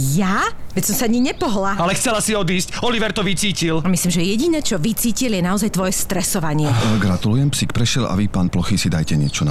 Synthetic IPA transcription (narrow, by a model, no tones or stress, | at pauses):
jaʋɛcsɔmsaaɲiɲɛpɔɦlaalɛxt͡sɛlasiɔd̪iːscɔliʋɛɾt̪ɔʋit͡siːcilamislimʒɛjɛɟinɛt͡ʃɔʋit͡siːciljɛnaɔzajt̪ʋɔjɛst̪ɾɛsɔʋaɲɪɛɡɾat̪ulujɛmpsikpɾɛʃjɛla̰ʋipaːnplɔxisid̪ajcɛɲɛt͡ʃɔna